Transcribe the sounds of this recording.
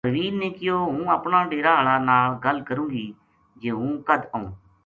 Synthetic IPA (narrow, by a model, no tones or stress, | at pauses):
ʋiːnneːkɪjoːɦũːəpnaːɖeːɾaːɦəɭaːnaːlɡəlkəɾũːɡiː | d͡ʒeːɦũːkəd̪ũː